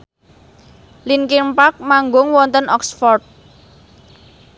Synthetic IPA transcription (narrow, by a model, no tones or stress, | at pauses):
linkimpak̚maŋɡʊŋwɔnt̪ənʔɔksfɔrt̪̚